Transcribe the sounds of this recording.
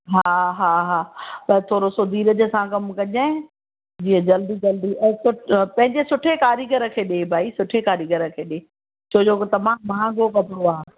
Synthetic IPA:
ɦaːɦaːɦaːɐt̪ʰoːɾosod̪ʱiːɾəd͡ʑə̆sãkɐmkɐʄa | d͡ʑiːə̃d͡ʑɐld̪id͡ʑɐld̪iʔɛ̃ːsʊpɐ̃ɦɪ̃ɲd͡ʑesʊʈʰekaːɾiɡəɾə̆kʰeːɗebʱaːisʊʈʰekaːɾiɡəɾə̆kʰeːɗeː | t͡ɕʰoːd͡ʑokɪt̪ɐmãmãːɡʱokɐpɪɽoaːɦ

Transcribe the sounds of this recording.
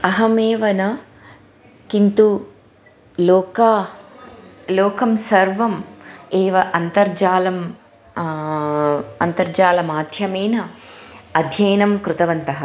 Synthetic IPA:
ɐɦɐmeːʋɐnɐ | kint̪u | loːkɐ | loːkɐmsɐɾʋɐmeːʋɐʔɐnt̪ɐɾd͡ʒaːlɐm | ɐnt̪ɐɾd͡ʒaːlɐmaːd̪ʱjɐmeːnɐ | ɐd̪ʱjɐjnɐmkɾut̪ɐʋɐnt̪ɐɦɐ

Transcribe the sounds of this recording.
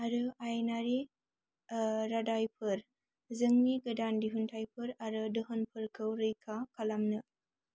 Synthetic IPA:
aɾɯajnaɾi | ɾadajpʰɯɾ | zəŋniɡədandiɦuntʰajpʰɯɾaɾɯdɯɦənpʰɯɾkʰəwɾəjkʰakʰalamnɯ

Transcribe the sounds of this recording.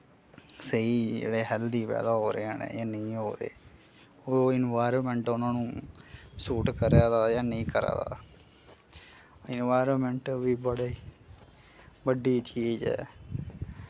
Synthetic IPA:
seid͡ʒḛːɽeːɦɛld̪iːpɛ̰ːd̪aːɦoːɾeːaːnḛ̃janeɦoːɾḛː | oɪnʋaːjɾomẽɳʈʊnãːnũː | suːʈkəɾjaːd̪aːjanẽĩkəɾa̰ːd̪a̰ː | ɪnʋaːɾomẽɳʈʋibəɽei | bəɖːiːt͡ʃied͡ʒɛ̰ː

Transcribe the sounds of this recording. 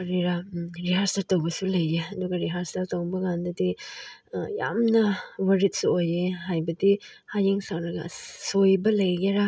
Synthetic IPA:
ɾiɾaɾiɦaɾstaɾtɐwbɐsulɐjːeɐduɡɐɾiɦaɾstɐɾtɐwbɐɡandɐdi | ja̰mnɐwɐɾit̚suojeɦajbɐdi | hajeŋsakɾɐɡɐ̰sojbɐlɐjɡeɾa

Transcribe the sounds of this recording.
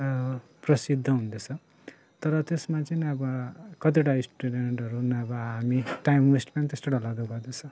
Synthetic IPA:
prʌsid̪ʱːʌɦũnd̪et͡sʰʌ̃ | t̪ʌɾʌt̪esmat͡sʌniʌbʌkʌt̪̬iʈaisʈuɖeɳʈʌɾunʌbʌɦamiʈajmlisʈpanit̪est̪eʈalad̪uɡʌrd̪et͡sʰʌ̃

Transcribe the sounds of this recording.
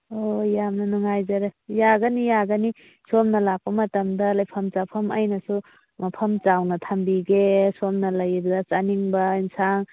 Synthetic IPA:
ojamnɐnuŋajzɐɾejaɡɐnijaɡani | somnɐlak̚pɐmɐtɐmdɐlɐjpʰɐmt͡ʃapʰɐmɐjnɐsu | mapʰɐmt͡ʃawnɐt̪ʰambiɡesomnɐlɐjbdɐt͡ʃaniŋbɐinsaŋ

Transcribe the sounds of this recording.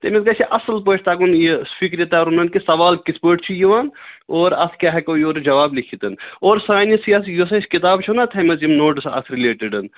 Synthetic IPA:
t̪emet̪ɡɐt͡ʃʰiʔɐsəlp̬oːt͡ʃʰt̪aːkunjefikɾjit̪aɾunɐnkisɐʋaːlkispəːʈt͡ʃʰijiʋaːnoːɾɐskʲjaːɦɛkoːjoːɾd͡ʒɐʋaːblikʰit̪ɐnoːɾsaːnisijasjosɐiskit̪aːbt͡ʃʰunat̪ʰɐmɐzimnoːʈsɐ̰sɾileːʈiɖɐn

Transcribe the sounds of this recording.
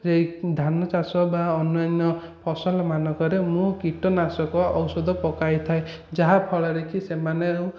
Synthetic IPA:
d͡ʒejd̪ʱanɔt͡ʃasɔbaɔnnanɔ | pʰɔsɔlɔmanɔkɔɾemũkiʈɔnasɔkɔɔwsɔd̪ʱɔpɔkajt̪ʰae | d͡ʒaɦapʰɔɭɔɾekʰisemanew

